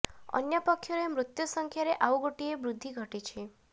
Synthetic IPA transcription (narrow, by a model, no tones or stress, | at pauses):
ɔ̰njɔpɔkʰːjɔɾemɾut̪jɔsɔŋkʰjaɾeʔauɡoʈiebɾud̪ʱːiɡʱɔʈit͡ʃʰi